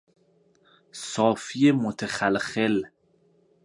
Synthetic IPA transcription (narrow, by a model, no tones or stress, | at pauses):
sɒːfijemot̪ʰexælxel